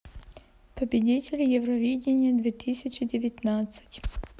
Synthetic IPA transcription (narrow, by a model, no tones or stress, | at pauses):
pəbʲɪdʲitʲɪlʲjɛvrɐvʲidʲɪnʲɪjəd̪vʲet̪ɨsʲɪt͡ɕɪdʲɪvʲɪt̪nat̪sɨ̥tʲ